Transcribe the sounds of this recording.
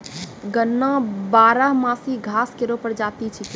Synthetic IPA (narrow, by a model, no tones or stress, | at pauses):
ɡənːãbaːɾaɦmaːsiɡʱaːskeɾopəɾd͡ʒaːt̪it͡ʃʰi